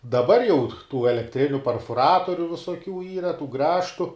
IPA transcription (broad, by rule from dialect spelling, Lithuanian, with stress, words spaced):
dɐˈbɐr jɛʊ tuː ɛlʲɛkˈtʲrʲɪnʲʊ pʲɛrfʊˈrɑːtoːrʲʊ ʋʲɪsoːˈkʲuː ˈiːrɐ tuː ˈɡrɑːʃtʊ